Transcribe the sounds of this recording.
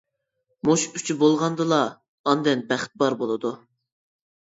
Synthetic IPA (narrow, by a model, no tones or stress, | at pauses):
moʃy̥t͡ʃʰybolˠʁɑnd̪ɨlˠɑː | nd̪ɛnbæχt̪̚bɑɾbolˠɨd̪u